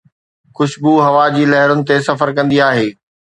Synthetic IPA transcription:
xʊʃbuɦɐʋad͡ʑiːlɐɦɪɾʊnɪ̆t̪esɐfəɾkɐ̃nd̪iaːɦeː

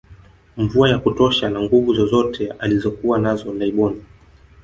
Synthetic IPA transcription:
ɱvuajakutɔʃanaŋɡuvuzɔzɔtʰɛalizɔkuwanazɔlaiɓɔni

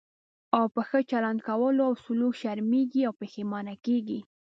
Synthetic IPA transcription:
awpəxət͡ʃaland̪kawəloawsʊlukʃaɾmeɡiawpexemɑnakeɡi

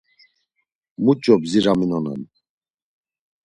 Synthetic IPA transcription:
mut͡ʃʼɔbziɾaminɔnɛ̰n

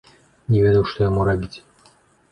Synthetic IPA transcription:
nʲɪvʲed̪əwʂt̪ojamuɾabʲitʲ

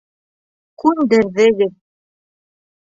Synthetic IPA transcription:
kʉnd̪ɘ̆ɾðɘ̆ɡɘð

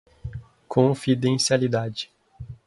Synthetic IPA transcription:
kʰõfid̪ẽsialid̪ad͡ʒɪ

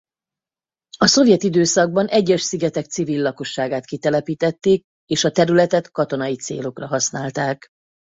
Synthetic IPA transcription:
ɒso̞vjɛt̪id̪øːsɒɡ̚bɒnɛɟːɛʃsiɡɛt̪ɛk̚t̪sivilːɒko̞ʃːaːɡaːt̪kit̪ɛlɛpiːt̪ɛt̪ːeːk̚ | eːʃɒt̪ɛɾylɛt̪ɛt̪kɒt̪o̞nɒjit̪sḛːlo̞krɒɦɒsnaːlt̪aːk

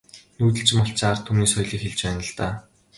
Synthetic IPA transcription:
nuːt̪̬ɘ̆ɬt͡ɕ̆mɔɬt͡ɕʰːart̪ʰːumniːsɔjɮiːkxeɮt͡ɕpæːnə̆ɮt̪aː

